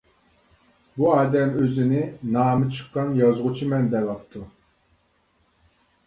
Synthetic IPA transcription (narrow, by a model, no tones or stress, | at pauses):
buɑːd̪ɛmøzɪnɪnɑːmɨt͡ʃʰɨ̥qːɑnjɑzʁʊt͡ʃʰimɛnd̪ɛvɑpt̪ʰu